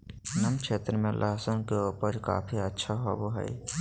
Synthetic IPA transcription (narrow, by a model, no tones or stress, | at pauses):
nəmkʃʰeːt̪ɾəmẽlʔəɦsənkeopəɾka̰ːpʰiətːʃʰaɦoboɦə̰i